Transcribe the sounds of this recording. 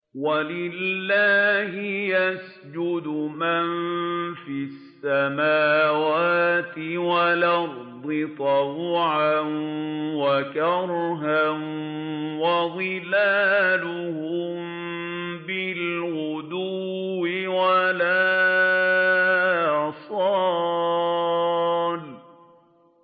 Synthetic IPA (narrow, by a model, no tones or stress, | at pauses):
walɪlːaːɦɪjas | d͡ʒʊd̪ʊmanfisːamaːwaːt̪ɪwalɑɾd̪ˤɨt̪ˤɑwʕanwakɑɾˤɦan | waðˤɨlaːlʊhʊm | bɪlwʊd̪uːɪwalaː | sˤɑ | l